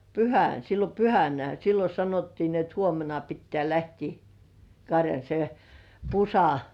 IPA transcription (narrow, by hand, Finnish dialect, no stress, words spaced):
pyhæn silːo pyhænæ silːo sɑnotːiː ni et huomenɑ pitːĕæˑ læhtiː kɑrjɑn̆ se pusɑ